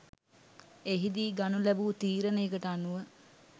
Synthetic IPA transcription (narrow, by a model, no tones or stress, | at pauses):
eɦid̪iːɡanulæbuːt̪iːɾənejəkəʈəanːuʋə